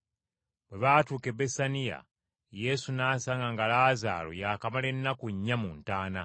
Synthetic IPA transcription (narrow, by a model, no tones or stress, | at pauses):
bwe̞βaːtuːke̞besanija̰ | je̞sunaːsaːŋɡaŋɡalaːza̰ːlo̰jaːkamale̞nːakuɲːamuntaːna